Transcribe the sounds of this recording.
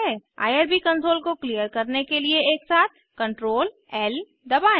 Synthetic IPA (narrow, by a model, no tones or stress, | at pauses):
a̰ːjəɾbikə̃ɳʈɾoːlkoklijəɾkɐɾnekelieeːksaːt̪̚ʰ | kɐ̃ɳʈɾoːl | ɛl | d̪ɐbaːẽ